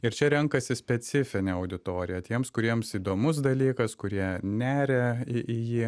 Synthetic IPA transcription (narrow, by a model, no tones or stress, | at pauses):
ɪɾt͡ʃʲɛɾʲɛŋkɐsʲɪsʲpʲɛsʲɪfʲɪnʲeːɐʊd̪ʲɪt̪oːɾʲɪjɛt̪ʲiɛmskʊɾʲiɛmsiːd̪oːmʊsd̪ɐlʲiːkɐskʊɾʲiɛnʲæːɾʲeɪʔɪjiː